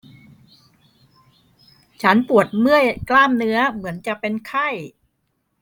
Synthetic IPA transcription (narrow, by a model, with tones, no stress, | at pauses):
t͡ɕʰa˦˥npu˨˩ət̪̚mɯ˥˩əjklaː˥˩mnɯ˦˥ɐmɯ˩˦ənt͡ɕa˨˩ʔpe˧nkʰa˥˩j